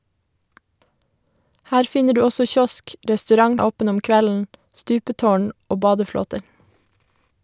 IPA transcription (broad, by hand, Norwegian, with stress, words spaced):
ˈhæːɾ ˈfɪnə ˈɖʉː ˈɔsɔ ˈçɔsk ʔɾɛstʉˈɾɑŋ ˈoːpən ˈɔm ˈkʋɛln̩ ˈstʉːpətoːɳ ˈoː ˈbɑːdəˌfloːtəɾ